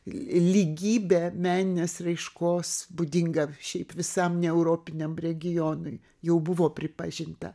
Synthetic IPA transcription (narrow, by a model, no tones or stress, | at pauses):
lʲɪɡʲiːbʲeːmʲæːnʲɪnʲeːsrɐɪʃkoːsbʊd̪ʲɪŋɡɐʃʲɛɪpʋʲɪsɐmnʲɛɛʊɾoːpʲɪnʲɛmrʲɛɡʲɪjoːnʊɪ | jɛʊbʊʋoːpʲɾʲɪpɐʒʲɪnt̪ɐ̰